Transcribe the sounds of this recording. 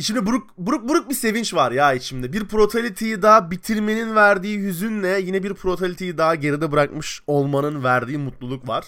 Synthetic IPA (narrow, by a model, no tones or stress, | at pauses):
iʃimd̪ibuɾukbuɾuk̚buɾuk̚bise̞vint͡ʃvaɾjaːit͡ʃʰimd̪ɛbiɾpʰɾo̞t̪ʰalʲit̪ʰejid̪aːabit̪ʰiɾme̞ninvæɾd̪iːjyzynlʲɛjinɛbiɾpʰɾo̞t̪ʰalʲit̪ʰejid̪aːɟe̞ɾid̪ɛbɯɾakmɯʃo̞lˠmanɯnvæɾd̪iːmut̪lˠulˠukvaɾ̥